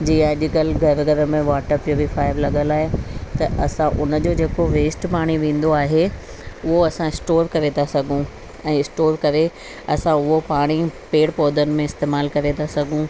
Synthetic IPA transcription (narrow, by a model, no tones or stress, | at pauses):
d͡ʑiːaʄɪkəlɡʱɐɾɡʱɐɾəmẽʋaːʈəpːiobifaːɪʋlɐɠəlaːɦet̪ɐʔɐsãʔʊnəd͡ʑoːd͡ʑeːkoʋeːsʈpaːɽ̃iʋẽːn̆d̪oaːɦe | ʊɦoɐsãɪsʈoːɾkɐɾet̪ʰasɐɡʱũ | ɛ̃ːɪsʈoːɾkɐɾe | ɐsãʊɦopaːɽ̃ipeːɽpoːd̪ənɪ̆mẽɪst̪eːmaːlkɐɾet̪ʰasɐɡʱũ